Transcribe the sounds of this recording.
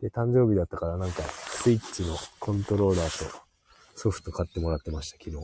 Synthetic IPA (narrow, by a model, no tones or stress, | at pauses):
d̪̥e̞t̪ãɲ̟d͡ʑo̞ːbʲid̪at̪ːakaɾanãŋkasɨit͡ɕːino̞kʰõ̞nt̪o̞ɾo̞ːɾaːt̪o̞̰ | so̞ɸɯ̟̥t̪o̞kat̪ːe̞mo̞ɾat̪ːe̞maɕi̥t̪ḁkʲino̞ː